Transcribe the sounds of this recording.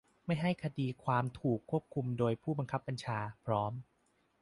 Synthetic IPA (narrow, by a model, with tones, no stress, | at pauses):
ma˥˩jɦa˥˩jkʰa˧diː˧kʰwaː˧mt̪ʰuː˨˩kʰːu˥˩əp̚kʰu˧mdoː˧jpʰuː˥˩ba˧nkʰa˦˥pːa˧nt͡ɕʰaː˧pʰɾɔː˦˥m